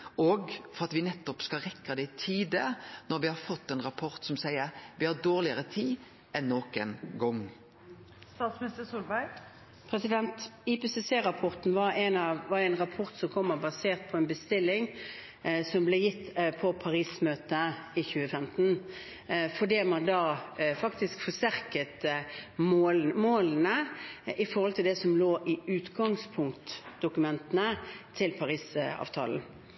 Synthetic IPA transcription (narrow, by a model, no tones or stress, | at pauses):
ɔɡfɔɾɑt̪ʋɪnɛt̪ːɔpskɑʁɛkːɑd̪ɛt̪ʰiːd̪ənɔɾʋɪhɑɾfɔt̪ːɛnɾɑpʰɔʁt̪sɔmsæɪəʁʋɪhɑd̪oːʁlɪəʁət̪ʰiː | ɛnːoːkənɡɔŋ | st̪ɑːt̪smnɪst̪əsuːlbæɪ | pʰɾɛsɪd̪ɛnt̪ipesɛseːʁɑpʰɔʁt̪n̩ʋɑɾɛnɑʋɑɾɛɪnʁɑpʰɔʁt̪sɔmkʰɔmːəbɑseːʁt̪̚pʰɔɛnbəst̪ɪlːɪŋ | sɔmblɛjɪt̪ːpʰɔpʰɑɾiːsmøːt̪əɪçʉːəfɛmt̪n̩ | fɔɖ̪iːmɑnd̪ɑːfɑkt̪ɪskfɔst̪æʁkət̪momoːlən̩əʔɪfɔɾʁhɔlt̪ʰɪld̪ɛsɔmloːʔɪʉːt̪ɡɑŋspʰʊŋkt̪d̪ʊkʉmɛnt̪ənət̪ʰɪlpʰɑʁiːsɑ̰ːʋt̪ʰɑ̰ːln̩